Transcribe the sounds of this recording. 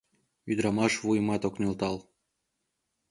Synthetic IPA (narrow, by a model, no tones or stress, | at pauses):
yd̪ɾɑmɑʃβujmɑt̪oknilt̪ɑl